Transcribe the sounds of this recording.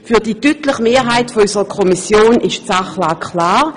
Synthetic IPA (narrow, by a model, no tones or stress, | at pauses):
fyːɐd̥iːtyːtlɪχmeːɦaɪtfoysəʁəkʰɔmisjoːnʔɪʃt͡saχlaːkʰlaːʁ